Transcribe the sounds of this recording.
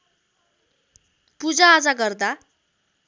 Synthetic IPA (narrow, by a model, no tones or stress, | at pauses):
pud͡zaːd͡zaɡʌrd̪a